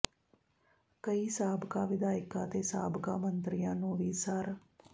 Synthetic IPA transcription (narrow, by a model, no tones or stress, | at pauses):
kəiːsaːbkaːʋɪd̪aːjɪkaːt̪eːsaːbkaːmənt̪ɾɪjãːnũːʋiːsəɾ